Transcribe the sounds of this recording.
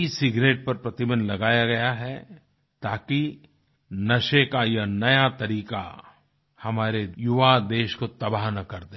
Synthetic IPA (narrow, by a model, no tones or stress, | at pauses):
isɪɡɾeːʈ̚pɐɾpɾɐt̪ɪbə̃nd̪lɐɡaːjaɡɐjaɦɛ | t̪aːki | nɐʃekajanɐjat̪ɐɾiːka̰ | hɐmaːɾejʊʋad̪eːʃkot̪ɐbaɦnɐkɐɾd̪ẽ